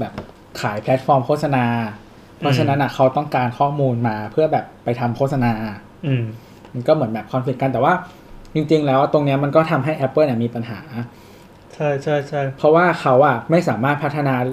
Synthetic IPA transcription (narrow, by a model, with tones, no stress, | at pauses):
bɛː˨˩p̚ | kʰaː˩˦jpʰlɛ˦˥t̪̚fɔː˧mkʰoː˥˩t̪̚sa˧naː˧ | pʰɔ˦˥t͡ɕʰa˧na˦˥nʔa˨˩kʰa˦˥wt̪ɔ˥˩ŋkaː˧nkʰɔː˥˩muː˧nmaː˧pʰɯ˥˩ɐbɛː˨˩pːa˧jt̪ʰa˧mkʰo˥˩t̪̚sa˧naː˧ | ma˧nkɔː˥˩mɯ˩˦nmbɛː˨˩p̚kʰaː˧msʰi˨˩k̚ka˧nt̪ɛː˨˩waː˥˩ | t͡ɕi˧ŋt͡ɕi˧ŋlɛː˦˥wt̪o˧ŋni˦˥ɐma˧nkɔː˥˩t̪ʰa˧mɦa˥˩jʔɛ˦˥pːɤː˥˩nɛ˨˩miː˧pa˧nɦaː˩˦ | t͡ɕʰa˥˩jt͡ɕʰa˥˩jt͡ɕʰa˥˩jpʰɾɔ˦˥waː˥˩kʰa˦˥wʔa˨˩ma˥˩jsaː˩˦maː˥˩t̪̚pʰa˦˥t̪ʰːa˧naː˧